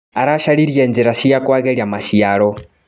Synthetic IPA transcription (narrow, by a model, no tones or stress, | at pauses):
aɾaʃaɺiɾjɛnd͡zɛɾaʃijakwaɣɛljamaʃijaːɺɔ